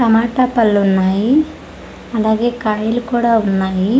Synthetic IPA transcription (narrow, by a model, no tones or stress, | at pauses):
ɐmaːʈɐpɐlːunːaːji | ɐlaːɡe̞ːkaːjilukuːɽaːunːaːji